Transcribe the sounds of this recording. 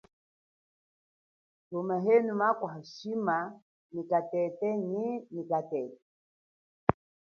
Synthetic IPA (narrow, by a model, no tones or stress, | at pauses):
tumaɦɛnumakwaɦaʃima | nikatɛtɛɲinikatɛtɛ